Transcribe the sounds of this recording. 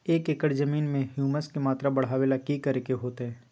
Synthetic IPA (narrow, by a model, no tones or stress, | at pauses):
eːkɪkəɽzɐmiːnmẽhjuːməskemaːt̪ɾabɐɽ̤aːʋeːlakikɐɾekeɦoːt̪eɦɛ̃ː